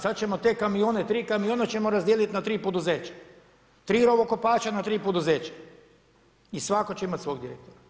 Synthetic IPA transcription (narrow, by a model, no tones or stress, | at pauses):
sat̪̚t͡ʃe̞mo̞t̪e̞ːkamioːne̞t̪ɾiːkamijoːnet͡ɕe̞mo̞ɾazd̪ielit̪nat̪ɾiːpo̞d̪uzeːt͡ɕḁ | t̪ɾiːɾo̞ʋoko̞paːt͡ʃanat̪ɾiːpod̪uzeːt͡ɕḁ | isʋako̞t͡ɕeimat̪sʋo̞ːɡd̪iɾḛk̚t̪oɾa